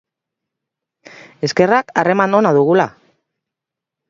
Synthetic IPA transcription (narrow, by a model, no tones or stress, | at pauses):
e̞ske̞rakare̞mano̞naðuɣ̞ula